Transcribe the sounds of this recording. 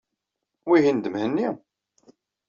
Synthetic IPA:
wiɦind̪əmhənːi

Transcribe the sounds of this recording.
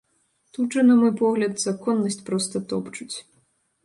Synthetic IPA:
t̪ut͡ʂɨnɐmɔjpɔɣlʲɐt̪zakɔnːɐsʲt͡sʲpɾɔst̪ɐt̪ɔpt͡ʂut͡sʲ

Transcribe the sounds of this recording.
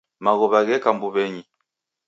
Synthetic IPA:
maɣɔβaɣɛkambuβɛɲi

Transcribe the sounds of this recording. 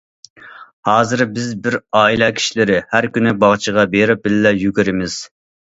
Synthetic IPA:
hɑːzɨɾbɪzbɪɾɑːilˠɑkʲʰi̥ʃilɪɾɪhæɾkʲynɪbɑʁt͡ʃʰəʁɑbeɾɪp̚bɪllɛjykʲɪɾɪmɪz̥

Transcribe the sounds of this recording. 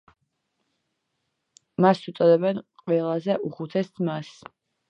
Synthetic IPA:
masut̪sʼɔd̪ɛbɛnqʼwɛlˠazɛʔuχut̪ʰɛsmas

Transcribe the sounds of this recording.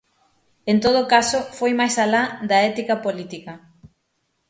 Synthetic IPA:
ent̪oð̞okasʊfojmajsalad̪ɐɛt̪ikɐpolit̪ikɐ

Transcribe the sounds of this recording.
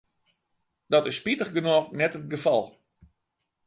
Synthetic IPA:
dɔtɪsːpitəχɡənɔːrnɛtət̚ɡəfɑ̰lˠ

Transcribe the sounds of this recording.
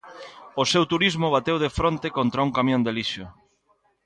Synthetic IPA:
osewt̪uɾizmʊβ̞at̪ewðefɾont̪ekont̪ɾauŋkamjõnd̪eliʃo

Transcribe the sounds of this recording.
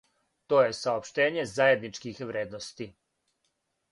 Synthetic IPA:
t̪o̞ːje̞saopʃt̪e̞ːɲe̞zaːjed̪nit͡ʂkixʋɾe̞ːd̪nost̪i

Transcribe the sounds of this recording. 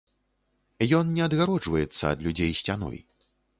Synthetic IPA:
jɔnnʲɛɐd̪ɣaɾɔd͡ʐvɐjɛt̪sːɐ̰ːd̪lʲud͡zʲejsʲt͡sʲanɔ̰j

